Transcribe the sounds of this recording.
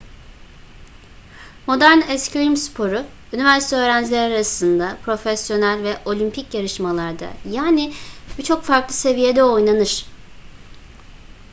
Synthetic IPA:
mo̞d̪æɾnɛscɾimspʰo̞ɾʊ | ynivæɾsi̥t̪ʰɛøːɾænd͡ʒlʲeɾaɾasɯnd̪apʰɾo̞fesjo̞nælʲvɛʔo̞lʲympʰicjaɾɯʃmalˠaɾd̪a̰jaːnɪb̥it͡ʃʰo̞kfaɾklˠɯse̞vije̞d̪ɛo̞jnanɯɾ̥

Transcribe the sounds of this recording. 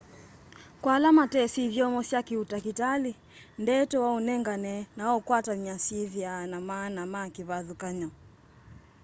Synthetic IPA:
kwaːlamatɛsivjɔmɔsjakiutakitali | ndɛtɔwaunɛŋɡanɛnaɔkwatamiasivjanamanamakiβazukaɲɔ

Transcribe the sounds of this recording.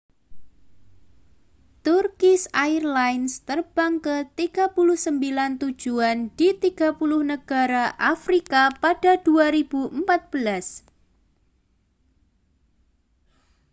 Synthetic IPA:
t̪urkɪsaɪrlajnst̪ərb̥aŋkət̪iɡ̥apulʊhsəmbilant̪u̥d͡ʒ̥uand̥it̪iɡ̥a̤pulʊhnəɡ̥aɾaʔafɾikapadaduaɾib̥uʔəmpat̪̚b̥əlas

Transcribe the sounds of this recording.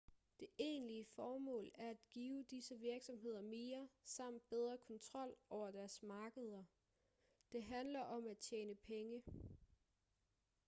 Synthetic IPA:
d̥e̝ʔe̝̰ːnliəfɒːmɔ̰̽ːlæɐæd̥ɡ̥iːʊd̥isəʋiɐɡ̥sɒ̽mɦe̝ð̞̰ˠɐme̝ːɐsɑ̈m̰d̥̚b̥eð̞ˠʁɐkʰɒ̽nt͡sʰʁɒ̽l̰ɒʊ̰ɐd̥æɐsmɑ̈ːɡ̥əðˠɐ | d̥e̝ɦænlɐʔɒ̽mæd̥̚t͡ɕʰeːnəpʰeŋə

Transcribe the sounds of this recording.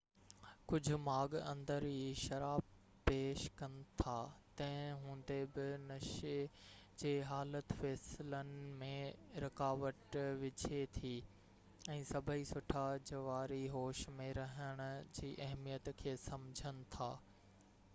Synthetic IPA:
kʊd͡ʑʱʊ̆maːɡɐ̰̃nd̪əɾɦiʃɐɾaːb | peːʃkɐnɪ̆t̪ʰaːt̪ɐ̃ɦɪ̃ɦũːnd̪ebɪnɐʃed͡ʑeːɦaːlət̪fɛːslənɪ̆mẽɾɐkaːʋəʈʋɪd͡ʑʱet̪ʰiː | ɛ̃ːsɐbʱəisʊʈʰad͡ʑɐʋaːɾiɦoːʃmẽɾɐɦəɽ̃ʊ̆d͡ʑiːʔɐɦmijət̪kʰeːsɐ̃md͡ʑʱənɪ̆t̪ʰa̰ː

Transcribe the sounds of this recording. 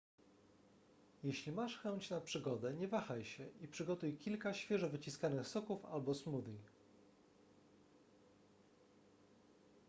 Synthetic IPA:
jeɕlʲimaʂxɛnt͡ɕnapʂɘɡɔd̪ɛɲɛvaxajɕɛʔipʂɘɡɔt̪ujkʲilkaɕfʲjɛʐɔvɘt͡ɕiskanɘxsɔkufa̰lbɔsmud̪ɲʲi

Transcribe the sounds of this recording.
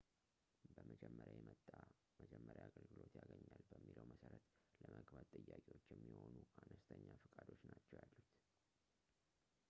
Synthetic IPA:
bəməd͡ʒɛmːəɾjajɛmət̪ʼːa | məd͡ʒɛmːəɾjaaɡəlɡɨlo̞t̪jaɡəɲːalbəmːiləwməsəɾət̪ləməɡbat̪ʼɨjːakʼiwo̞t͡ʃːjɛmːiho̞nuʔanəst̪ʰəɲːafɨkʼad̪o̞t͡ʃːnat͡ʃːɛwjalːut̪

